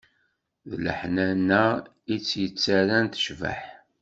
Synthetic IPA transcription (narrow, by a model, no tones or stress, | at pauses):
ðlə̰ħnænːæ | it͡sːjət͡sːæɾænt̪ə̥ʃvə̰ħ